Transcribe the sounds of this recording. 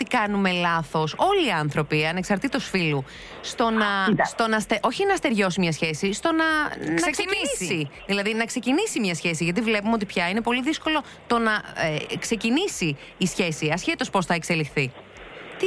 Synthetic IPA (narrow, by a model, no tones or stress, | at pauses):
t̪ikɐnume̞lɐθo̞so̞liːɐnθɾo̞piɐne̞ksɐɾt̪it̪osfilu | st̪o̞nɐst̪o̞nɐst̪eʔo̞çinɐst̪e̞ɾʝo̞simɲɐsçe̞sist̪o̞nɐnɐnissiðilɐðinɐksecinisimɲɐsçe̞siʝɐt̪ivle̞pumeo̞t̪̬ipçɐine̞po̞liðisko̞lo̞ | t̪o̞nɐekse̞cinisiː | sçe̞siɐsçet̪o̞spo̞sθɐe̞kse̞lixθi | t̪i